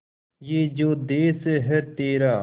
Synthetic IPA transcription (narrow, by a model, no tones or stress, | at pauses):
jeːd͡ʒoːd̪eːseɦɛt̪eːɾaː